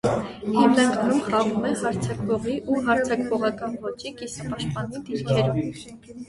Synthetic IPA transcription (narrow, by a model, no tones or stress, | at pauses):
hɛmnɑŋkɑnumχɑʁumɛhɑɾt͡sʰɑkvɔʁiʔuɦɑɾt͡sʰɑkvɔʁɑkɑnvɔt͡ʃikisɑpɑʃt̪̚pɑnid̪iɾkʰɛɾum